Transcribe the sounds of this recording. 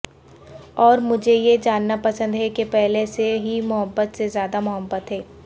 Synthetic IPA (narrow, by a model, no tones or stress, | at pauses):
ɔːɾmʊd͡ʒʱejed͡ʒaːnːapɐsə̃nd̪ɦɛkepɛɦleseɦimʊɦəbːət̪sezjaːd̪amʊɦəbːət̪ɦɛː